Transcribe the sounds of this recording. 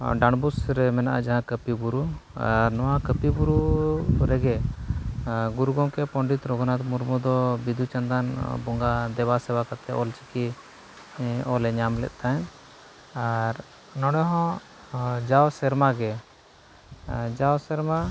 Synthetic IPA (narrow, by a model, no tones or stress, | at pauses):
ɖaɽbusɾɛmɛnaʔad͡ʒaɦãkəpibuɾuaɾnɔwãkəpibuɾuɾɛɡɛ | ɡuɾɡɔ̃kɛpɔ̃ɳɖit̪ɾɔɡɔnat̪muɾmɔd̪ɔbid̪ʱut͡ʃãnd̪anbɔŋɡad̪ɛwasɛwakat̪ʰɛʔɔlt͡ʃi̥ki | ɔlɛɲamlɛ̰t̪̚ˀt̪aɛn | aɾ | nɔ̃ɽɛɦɔ̃ | d͡ʒawsɛɾmaɡɛ | d͡ʒawsɛɾma